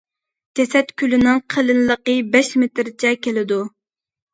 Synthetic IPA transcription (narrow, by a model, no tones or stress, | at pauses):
d͡ʒɛsɛt̪kʲylɪnɪŋqʰəlɨnləqəbɛʃmet̪ɾt͡ʃʰɛkʲʰelɪd̪u